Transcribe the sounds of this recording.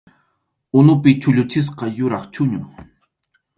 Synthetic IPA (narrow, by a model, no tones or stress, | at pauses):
ʊnʊpɪt͡ʃʊʎʊt͡ʃɪs̬qɑjʊɾɑχt͡ʃʊɲʊ